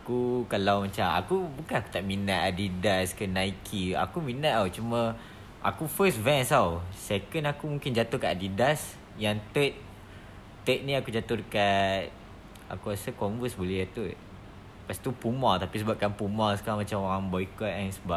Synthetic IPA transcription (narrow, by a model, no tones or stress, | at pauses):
akukalawmat͡ʃama̰kubukanaku̥t̪aʔminaʔ̪adidaskənaikʰia̰kuminaʔ̪awt͡ʃumə̃ | ʔa̰kufəsvɛ̃nsawsekənakumũŋkɪnd͡ʒat̪ʊkaʔadidas | jaŋt̪ət̪̚ | t̪əʔ̪̚nĩakud͡ʒat̪ʊhdəkat̪̚ | ʔa̰kuɾasəkɔɱvəsbəliat̪uʔ | past̪upumat̪apis̬əbap̚kanpumasə̥kamat͡ʃamoɾaŋbɔikɔt̪ɛnsəba